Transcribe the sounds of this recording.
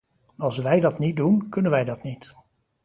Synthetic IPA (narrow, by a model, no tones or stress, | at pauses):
ɑlˠsʋɛjdɑtnit̚dunkɵnənʋɛjdɑtnit